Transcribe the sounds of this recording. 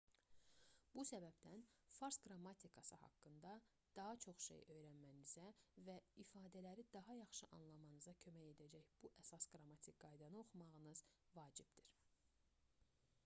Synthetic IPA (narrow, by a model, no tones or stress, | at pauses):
b̥usæbæbd̪ænfɑɾsɡɾɑmːɑt̪ʰikʰɑsɯhɑ̰kːɯnd̪ɑ | d̪̥ɑɦɑt͡ʃʰo̞χʃḛjø̞jɾænmænizævæifɑːd̪ælæɾid̪ɑɦɑjɑχʃɯʔɑnlˠɑmɑnɯzɑcʰø̞mæje̞d̪æd͡ʒæçb̥uʔæsɑsɡɾɑmɑt̪ʰik̚ɡɑjd̪ɑnɯo̞χumɑʁɯnɯz̥vɑːd͡ʒibd̪iɾ̥